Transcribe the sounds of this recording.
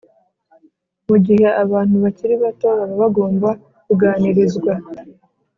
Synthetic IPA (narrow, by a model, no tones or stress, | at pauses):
muɟihe̞ʔaβaːn̥huβaciɾiβatoːɾaɾaβaɡo̞ːmba | kuɡaːniɾizɡwa